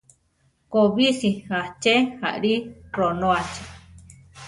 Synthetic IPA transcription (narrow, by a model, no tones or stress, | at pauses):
koβisiat͡ʃeha̰ʔɾironoat͡ʃe̥